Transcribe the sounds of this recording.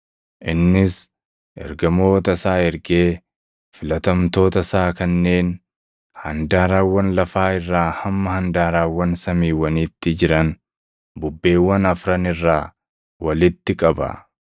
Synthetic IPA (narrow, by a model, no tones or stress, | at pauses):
ʔɪnːɪs | ʔɛ̰ɾɡɐmo̞ːt̪ɐsaːhɛɾɡe̞ː | fɪlɐt̪ɐmt̪o̞ːt̪ɐsaːkɐnːe̞ːn | hɐnd̪aːɾaːwːɐnlɐfaːɪrːaːhɐmːɐhɐnd̪aːɾaːwːɐnsɐmiːwɐnɪːt̪ːɪd͡ʒɪɾɐn | bʊbːe̞ːwːɐnɐfɾɐnɪrːaː | wɐlɪt̪ːɪkʼɐbɐ̰